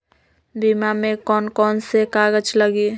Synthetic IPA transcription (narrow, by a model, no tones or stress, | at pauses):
bimamẽkɔːnkɔːnsekaːɡəd͡ʒləɡi